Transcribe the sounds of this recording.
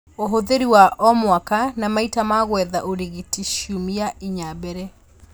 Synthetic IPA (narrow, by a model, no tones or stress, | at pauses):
oɦoðeɾiwaʔɔmwakanamaitamaɣwɛðaʔoɾiɣitiʃumiaʔiɲabɛɾɛ